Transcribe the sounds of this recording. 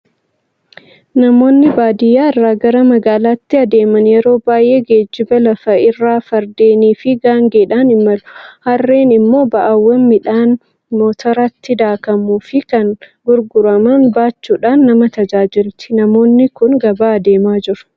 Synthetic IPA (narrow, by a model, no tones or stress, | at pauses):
nɐmo̞ːnːɪbaːd̪ɪjaːɪrːaːɡɐɾɐmɐɡaːlaːt̪ːɪɐd̪e̞ːmɐnjɛɾo̞ːbaːjʔe̞ːɡe̞ːd͡ʒːɪbɐlɐfɐɪrːaːfɐɾd̪e̞ːniːfɪɡaːŋɡeːᶑaːnɪmɐlʊ̥hɐrːeːnɪmːo̞ːbɐʔɐwːɐmːɪᶑaːn | mo̞ːt̪ɐɾɐt̪ːɪd̪aːkɐmuːfɪkɐnɡʊɾɡʊɾɐmɐnbaːt͡ʃːuːᶑaːnːɐmɐt̪ɐd͡ʒaːd͡ʒɪlt̪ɪnɐmo̞ːnːɪkʊnɡɐbaːɐd̪e̞ːmaːd͡ʒɪɾʊ̥